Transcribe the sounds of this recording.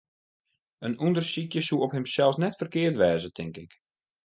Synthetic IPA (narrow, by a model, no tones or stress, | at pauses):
ənundərsikjəsuɔphɪmsɛlˠsnɛtfərkɪərtʋɛːzətʰɪŋkɪk